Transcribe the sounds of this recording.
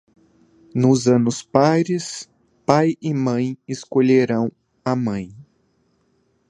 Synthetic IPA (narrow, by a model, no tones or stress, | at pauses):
nʊzɐ̃nʊspajɾɪs | pajɪmɐ̃j̃ɪskoʎeɾɐ̃w̃ | ɐmɐ̃j̃